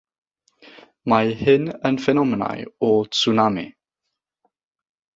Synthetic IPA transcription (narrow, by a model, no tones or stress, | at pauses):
majhɪnənfɛnɔməna̰jɔt͡sunamḭ